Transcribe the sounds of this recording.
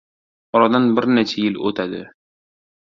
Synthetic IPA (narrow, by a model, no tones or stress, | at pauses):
ɒɾad̪anbɪɾnet͡ʃʰajɪlo̰t̪ʰad̪ɪ̰